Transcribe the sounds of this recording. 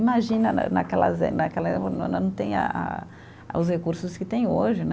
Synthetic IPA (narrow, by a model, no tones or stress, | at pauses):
imaʒĩnɐnɐ̰nakɛlɐ̰zenakɛlɐ̃nɐ̃t̪ẽj̃a̰a̰ | ʊs̬hekuɾsʊskɪt̪ẽj̃oʒɪn